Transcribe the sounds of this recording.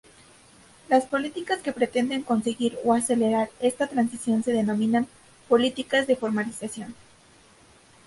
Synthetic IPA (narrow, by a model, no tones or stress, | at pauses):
laspo̞lit̪ikaske̞pɾe̞t̪e̞nd̪e̞ŋko̞nse̞ɣiɾoase̞le̞ɾaɾe̞st̪at̪ɾansisjo̞nse̞ðe̞no̞mĩnan | po̞lit̪ikazðe̞fo̞ɾmalisasjo̞n